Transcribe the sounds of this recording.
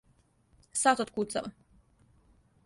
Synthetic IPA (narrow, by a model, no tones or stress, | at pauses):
sat̪ot̪kut̪saʋa